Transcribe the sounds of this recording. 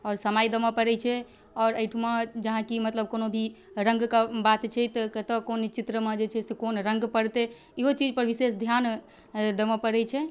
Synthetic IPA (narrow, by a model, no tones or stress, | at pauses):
ɔːɾsəmajd̪əmãpəɾɛt͡ʃʰɛ | ɔːɾəʈʰmãd͡ʒəɦãkimət̪ləb̚konobʱi | ɾə̃ŋɡkabat̪t͡ʃʰɛt̪ɔkət̪əkont͡ʃit̪ɾəmẽd͡ʒet͡ʃʰɛsekonɾə̃ŋɡpəɽt̪e | iɦot͡ʃid͡ʒpəɾʋisesd̪ʱjan | d̪əmãpəɾɛt͡ʃʰɛ